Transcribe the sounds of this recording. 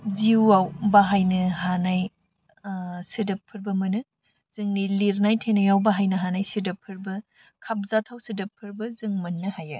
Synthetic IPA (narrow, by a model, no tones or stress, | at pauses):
ziwawbaɦajnɯɦanaj | sidɐpʰːɯɾbɐmɐnɯ | z̥ɯŋniliɾnajtʰejnajawbaɦajnɐɦanajsidɐpʰːɯɾbɐ | kʰap̚zatʰawsidɐpʰːɯɾbɐzɯŋmɐnːɯhajɐ